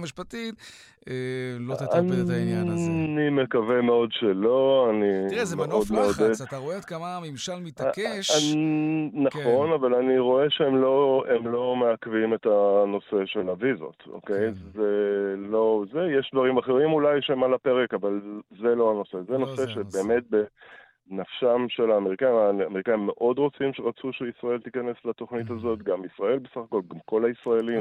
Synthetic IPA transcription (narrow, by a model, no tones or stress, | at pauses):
miʃpat̪it | lainjanime̞kavemeo̞dʃelo̞animeʔod̪meod̪eoet̪kamamimʃalmit̪keʃ | naχo̞navalaniʁo̞eʃeemlo̞emlo̞meakvime̞t̪ano̞se̞ʃelavizo̰t̪o̰ke̞jzelo̞zejeʃd̪vaʁimaχeʁimulajʃemalape̞ʁekavalzelo̞ano̞se̞zeno̞seʃe̞be̞ːme̞t̚be̞ | nafʃamʃelaːmeʁikaimaːmeʁikaimːeʔo̞dʁo̞t͡simʃeʁat͡suʃeisʁae̞lt̪ikane̞slat̪o̞χnithazo̞tɡamisʁae̞lbesaχako̞lɡamko̞laisʁaelim